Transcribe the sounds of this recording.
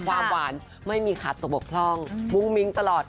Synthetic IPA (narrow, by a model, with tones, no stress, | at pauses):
kʰwaː˧mwaː˩˦n | ma˥˩jmiː˧kʰaː˨˩t̪ːo˨˩bo˨˩k̚pʰlɔ˥˩ŋmu˧˥ŋmi˧˦˥ŋt̪a˧lɔː˨˩t̪̚